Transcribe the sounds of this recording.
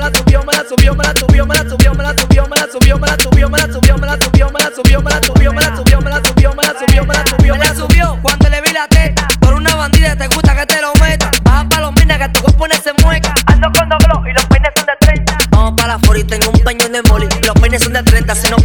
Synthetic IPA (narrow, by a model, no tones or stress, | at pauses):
lasuβjomelasuβjomelasuβjomenasuβjomelasuβjomnasuβjomelasuβjomenasuβjomenasuβjomenasuβjomlasuβjomenasuβjomelasuβjomenasuβjomenasuβjonasuβjokwand̪oeleβilat̪eapoɾunaβand̪iðat̪eɣust̪aket̪eɾomet̪abapalomĩnaket̪eɣoponesemwekaand̪okond̪oβloilopenesond̪et̪ɾent̪aamopalafoɾit̪eŋɡumd̪aɲond̪emolilohpenesond̪et̪ɾent̪asino